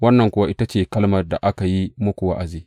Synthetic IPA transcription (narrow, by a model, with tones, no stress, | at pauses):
wɐ˦nːɐ˨ŋkʷʊ˦wa˦ʔɪ˦ta˦t͡ʃeː˨kɐ˦lmɐ˨da˨ʔa˦ka˨ji˦mʊ˦kʷʊ˨wa̰˦ʔa˨ziː˦